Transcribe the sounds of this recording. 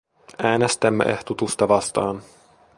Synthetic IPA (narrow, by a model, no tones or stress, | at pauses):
æːnest̪æmːḛʔeht̪ut̪ust̪ɑʋɑst̪ɑːn